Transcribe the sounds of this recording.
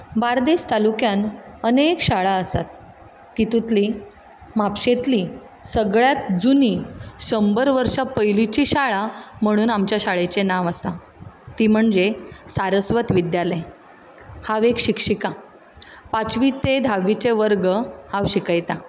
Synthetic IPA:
baɾd̪est̪alukjanənekɕaɭaəsat̪ː | it̪ut̪li | mapɕet̪liː | səɡɭjat̪d͡zunisɕəmbəɾʋəɾʂapəjlit͡ɕiɕaɭam̤əɽ̃uːnamt͡ɕjaɕaɭet͡ɕenaʋasa | t̪iːm̤əɳd͡zesaɾəsʋət̪ʋid̪jale | haʋekɕikʂika | pat͡sʋit̪ed̪ʱaʋit͡seʋəɾɡəhaʋɕikəjt̪a

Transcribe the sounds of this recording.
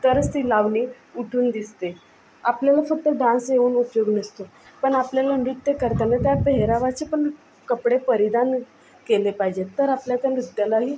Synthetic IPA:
t̪əɾəst̪iːlaʋniː | uʈʰuːnd̪ist̪e | apljalafək̚t̪əɖãnseuːnupjoɡnist̪o | pəɳapljaləɳɖiʈt̪ekəɾt̪anat̪japəɦeɾaʋat͡sepəɳ | kəpɽepəɾid̪an | kelepaɦid͡ʑet̪əɾapljat̪janɾud̪jalaɦiː

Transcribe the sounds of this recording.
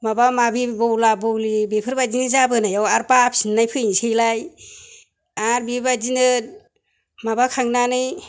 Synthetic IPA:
mabamabibɯwlabɯwlibepʰɯɾbad͡ʒinɯzabɯnajawaɾpapʰsinːajpʰɯnsejlaj | aɾbibad͡ʒinɯt̚ | mabakʰaŋnanɯj

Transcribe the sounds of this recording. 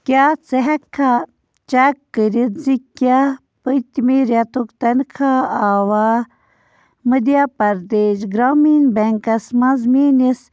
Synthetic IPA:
kʲaːt͡seɦɐkʰːa | t͡ʃakːəɾid̪zikʲːja | pəjt̪imiɾjat̪ukt̪ɐnkʰaaːwaː | məd̪ijapɐɾd̪eːʃɡɾaːminbeŋkɐsmɐzmiːnis

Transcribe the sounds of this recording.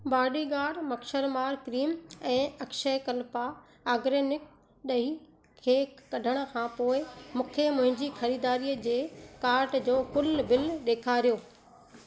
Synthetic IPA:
baːɖiɡaːɖmɐkʃəɾmaːɾkɾiːmɛ̃ːɐkʃəkɐlpaː | ɡɾeːnɪk̚ | ɗɐɦi | kʰeːkɐɖʱəɽ̃ə̆kʰãːpoːɪmũːkʰemʊ̃ɦɪ̃ɲd͡ʑixɐɾiːd̪aːɾiːəd͡ʑeːkaːɾʈd͡ʑoːkʊlbɪlɗeːkʰaːɾijoː

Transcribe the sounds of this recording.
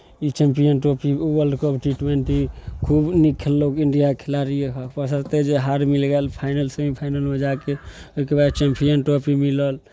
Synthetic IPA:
it͡ʃempijənʈopiwəlɖkəpʈiʈwenʈikʰubnikʰːelːokiɳɖijakʰelaɾiepəsət̪ed͡ʒeɦaɾmilɡelpʰaɪnəlsə̃ĩpʰaɪnəlmed͡ʒakeoikebad̪t͡ʃempʰijənʈopimiləl

